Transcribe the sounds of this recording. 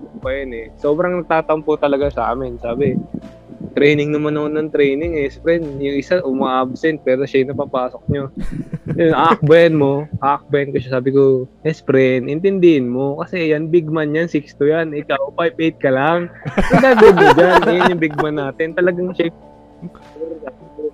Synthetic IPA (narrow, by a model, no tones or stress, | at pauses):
pɐjɐnɛsoːbɾɐŋnɐɡ̚t̪aːt̪ɐʔʊmpʊt̪ɐlɐɡasɐʔa̰ːmɪnsaːbɪ | t̪ɾɛjnɪŋnɐmanːɐonːɐŋt̪ɾɛjnɪŋɛspɾɛnjʊŋʔɪsaʔʊmaːʔab̚sɛnt̪̚pɛːɾo̞ʃɐjʊnɐpapaːso̞k̚ɲo | jʊŋʔaːʔɐk̚bɐjɐnmo̞ʔaːʔɐk̚bɐjɐnkoʃasaːbɪko̞ʔɛspɾɛnʔɪnt̪ɪnd̪ɪhɪnmo̞kɐsɛjanbɪɡ̚manjansikst̪ʊjanɪkawpajbʔejt̪̚kɐlaŋsɐd̪abɛd̪od͡ʒanʔɐjʊnjʊŋbɪɡ̚mɐnːaːt̪ɪnt̪ɐlɐɡaŋʃa | oɾa